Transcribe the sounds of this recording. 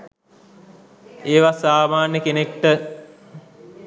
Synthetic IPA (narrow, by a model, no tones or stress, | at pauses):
eːʋasaːmaːnjəkenekʈə